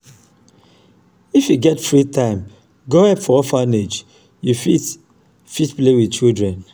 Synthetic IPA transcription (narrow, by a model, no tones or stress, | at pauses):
ifjuɡɛtfɹitãɪ̃m | ɡohɛpfɔɔfaned͡ʒ | jufi | fitplewit͡ʃildɹɛ̃n